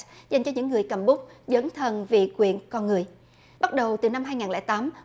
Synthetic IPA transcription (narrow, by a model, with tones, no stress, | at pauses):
za˨˩jŋ̟t͡ɕɔ˧ɲɨ̰˧˥ŋːɨ˨˩əjkə˨˧˩mɓʊ˦˥k͡p̚zə˨˦nt̪ʰə˨˩nvḭ˧˨kwḭ˧˨ənkɔ˧nŋɨ˨˩əj | ɓa˦˥t̚ɗə˨˩wt̪ɨ˨˩na˧mhaː˧jŋaː˨˩nlɛ̰˧˥t̪aː˨˦m